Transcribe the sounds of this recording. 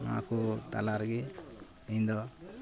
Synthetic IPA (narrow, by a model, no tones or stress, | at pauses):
a̰kut̪a̰laɾɡe | ind̪ɔ